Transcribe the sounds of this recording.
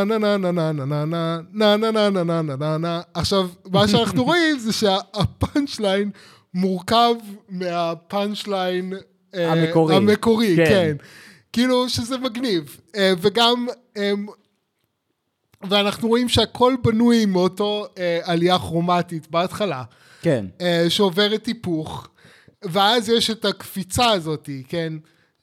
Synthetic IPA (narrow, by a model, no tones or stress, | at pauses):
nananananananananananananananaːχʃavmaʃeanaχnuʁo̞imzeʃeaːpanʃlajn | muʁkavmeapanʃlajn | eamekoʁameko̞ʁikken | kiiluʃezemaɡniv | eveɡam | em | veanaχnuʁo̞imʃeakʰo̞lbanujmeoto̞ealiaχʁo̞matitbeatχala | kenʃeove̞ʁetːipuχ | veazjeʃetakfit͡saːzo̞tiken